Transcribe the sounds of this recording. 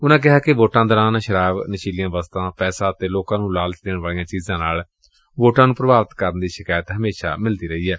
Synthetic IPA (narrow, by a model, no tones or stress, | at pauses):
ʊnãːk̬ɪɦaːkɪʋoːʈãːd̪əɾãːnaʃəɾaːʋnəʃiːlɪjãːʋaːst̪ãːpɛːsãːət̪eːloːkãːnũːlaːlt͡ʃd̪eːɳʋaːlijãːt͡ʃiːzãːnaːl | ʋoːʈãːnũːpɾəbaːʋət̪kəɾənd̪iːʃɪkaːjət̪ɦəmeːʃa̰ːmɪld̪iːɾəɦiːɛː